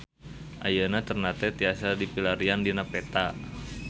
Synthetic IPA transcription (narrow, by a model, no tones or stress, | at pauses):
ʔa̰jənat̪ərnat̪ɛt̪iasadipilaɾiandinapet̪a